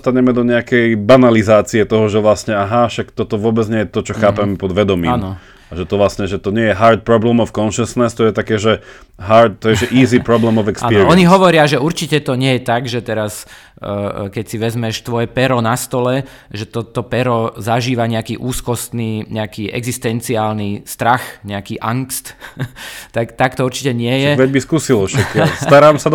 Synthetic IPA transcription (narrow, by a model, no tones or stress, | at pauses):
st̪aɲɛmɛd̪ɔɲɛakɛjbanalizaːt͡siɛt̪ɔɦɔʒɛʋlasɲɛaɦaʃakt̪ɔt̪ɔʋʊɔbɛd͡znɲɛjɛt̪ɔt͡ʃɔxaːpɛmɛpɔd̪ʋɛd̪ɔmiːaːmnɔ | aʒɛt̪ɔʋlasɲɛʒɛt̪ɔɲɪɛjɛɦaɾt̪̚pɾɔblɛmɔfkɔnʃɛsnɛst̪ɔjɛt̪akɛːʒɛ | ɦaɾt̪̚t̪ːɔjɛʒɛʔiːzipɾɔblɛmɔvɛksaːnpiɾiɔɲiɦɔʋɔɾɪaʒɛuɾt͡ʃicɛt̪ɔɲɛjɛt̪aɡʒɛt̪ɛɾas | kɛcsiʋɛzmɛʃt̪ʋɔjɛpɛɾɔnast̪ɔlɛ | ʒɛt̪ɔt̪ɔpɛɾɔzaʒiːʋaɲɛakiːʔuːskɔst̪niːɲɛakiːʔɛ̰ɡzist̪ɛnt͡siaːlnist̪ɾaxɲɛakiːʔaŋkst̪ | t̪akt̪akt̪ɔuɾt͡ʃicɛɲɪɛjɛʋɛbiskuːsilɔʃakst̪aɾaːmsad̪